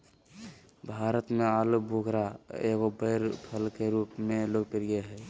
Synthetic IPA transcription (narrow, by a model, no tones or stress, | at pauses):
bʱaɾət̪mealubʱoɡʱɾaḛɡobəɾpʰəlkeɾupmeloɡpiɾijeɦɛ